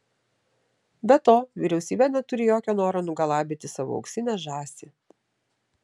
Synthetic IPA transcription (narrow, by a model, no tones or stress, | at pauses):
bʲɛt̪oːʋʲiɾʲɛʊsʲiːbʲɛnʲɛt̪ʊɾʲɪjoːkʲoːnoːɾoːnʊɡɐlˠɑːbʲɪt̪ʲɪsɑʋʊ̰ɐ̰ksʲɪnʲɛʒɑːsʲɪ